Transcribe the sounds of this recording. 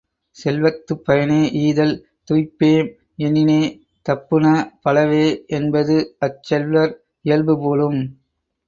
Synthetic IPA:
sɛlʋɐt̪ːɯpːɐjɐneːʔiːðɐl | t̪ʊjpːeːm | ɛnɪneː | t̪ɐpːɯnɐpɐlɐʋeːʔɛnbɐðɯɐt͡ʃːɛlʋɐɾ | ɪjɐlbɯpoːlɯm

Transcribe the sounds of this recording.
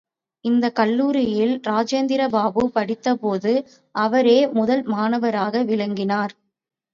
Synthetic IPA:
ɪnd̪ɐkɐlːuːɾɪjɪlɾaːd͡ʒeːnd̪ɪɾɐbaːbɯpɐɽɪt̪ːɐpoːðɯ | ʔɐʋɐɾeːmʊðɐlmaːnɐʋɐɾaːɣɐʋɪɭɐŋɡɪnaːɾ

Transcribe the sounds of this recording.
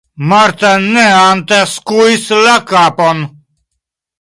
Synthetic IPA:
mɐɾt̪ɐnːeant̪ɛskuislɐkaːpɔn

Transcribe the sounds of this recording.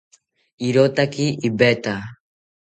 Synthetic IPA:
iɾot̪akiibɛt̪a

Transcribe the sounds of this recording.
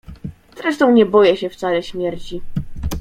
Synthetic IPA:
z̥ɾɛʂt̪ɔ̃w̃ɲɛbɔjɛɕɛft̪salɛɕmʲjɛɾt͡ɕi

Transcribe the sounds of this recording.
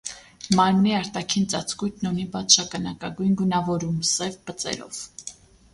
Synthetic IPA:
mɑɾmniɑɾt̪ɑkʰint͡sɑt͡sʰkujt̪ʰnunibɑt͡s̪ʰʃɑkɑnɑkɑɡujnɡunɑvɔɾumsɛvpət͡sɛ̰ɾɔ̰v̥

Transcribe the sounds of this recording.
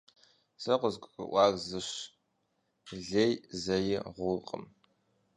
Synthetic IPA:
sɐqʷʊzkʷʼɨ̰ʔʷɑːɡzɨɕ | ɮejzɐjɪʁʷʊqʼə̰m

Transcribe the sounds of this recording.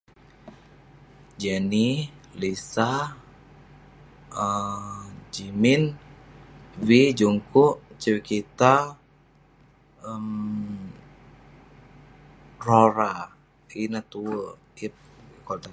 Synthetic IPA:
d͡ʒɛnilisa | ə | d͡ʒimɪn | wid͡ʒuŋkuʔt͡ʃəwikit̪a | əm | roɾa | inat̪uwə | ip̚kɔt̪a

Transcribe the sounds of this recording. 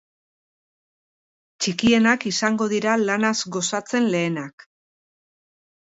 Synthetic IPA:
t͡ʃikie̞nakisaŋɡo̞ðiɾalanazɡo̞sat͡se̞nle̞ːnak

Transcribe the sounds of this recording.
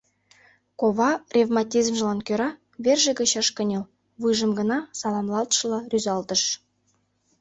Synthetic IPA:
koβɑrʲevmɑtʲizmʒə̆lˠɑnkʲøɾɑ | βʲerʒĕɡə̆ɕɑʃkə̆nʲel | βɯʒə̆mɡə̆nɑsɑlˠɑmlˠɑlt̪ʃɤ̆lˠɑrʲyzɑlt̪ə̆ʃ

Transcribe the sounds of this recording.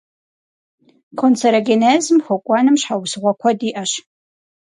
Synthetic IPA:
kʷʰont͡sʰɐɾɐɡʲeneːzɨmxʷɔkʷʼɑːnɨmɕħawsɨʁʷɔkʷʰɔdiːʔɐɕ

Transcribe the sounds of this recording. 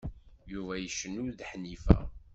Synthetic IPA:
juvæjəʃənːʊɾðħnifæ̰

